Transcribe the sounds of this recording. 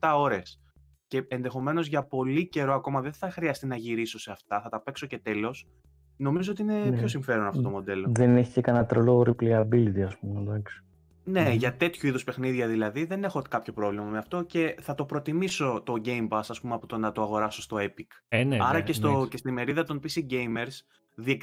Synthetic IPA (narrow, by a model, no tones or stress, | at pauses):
t̪ɐo̞ɾe̞s | ce̞enðe̞xo̞me̞no̞zʝɐpo̞lice̞ɾo̞ɐko̞mɐðe̞nθɐxɾiɐst̪inɐʝiɾiso̞se̞ɐft̪ɐθɐt̪ɐpe̞kso̞ce̞t̪e̞lo̞s | no̞mizoot̪iine̞pço̞siɱfe̞ɾo̞nɐft̪ot̪o̞mod̪e̞lo̞ðeneçicekɐnɐt̪ɾoloɾipliɐɾbilit̪iɐspumed̪ɐksi̥ | ne̞ʝɐt̪e̞t̪çuiðuspe̞xniðʝɐðilɐðiðe̞ne̞xo̞kɐpço̞pɾo̞vlimɐmeɐft̪o̞ce̞θɐt̪o̞pɾo̞t̪imiso̞t̪o̞ɟe̞jmpɐsɐspumeɐpot̪onɐt̪oɐɣo̞ɾɐsost̪o̞epikɐɾɐcest̪oce̞st̪ime̞ɾiðɐt̪o̞npisiɟejme̞ɾs | ðiek